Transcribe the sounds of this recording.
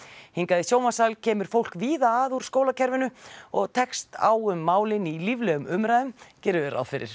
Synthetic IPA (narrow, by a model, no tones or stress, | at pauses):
hiŋkaðɪsjoːwmasalcʰɛːmʏɾ̥fowl̥kviːðaːaðuɾ̥skoːwlacʰɛɾvɪnʏɔɣt̪ʰɛkst̪a̰ːwʏmːaːwlɪnilivlɛːɣʏmʏmɾajðʏmcɛːɾʏðɛɾa̰wfɪɾɪ̰ɾ̥